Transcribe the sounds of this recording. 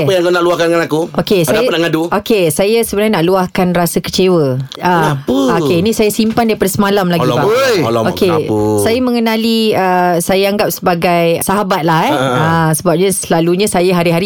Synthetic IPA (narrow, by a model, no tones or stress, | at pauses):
əjãŋkonaʔluahkandəŋanakuokesajanaʔŋaduokesajasəbənaɲnaʔluahkanrasakə̥t͡ʃewəaəokeinĩsajasimpandaɾipadasəmalamlaɡibaokesajamə̃ŋənãliəsajaaŋɡap̚səbaɡajsaɦabat̪̚laɦɛasəbap̚ɲãsəlaluɲãsajaɦaɾiɦaɾi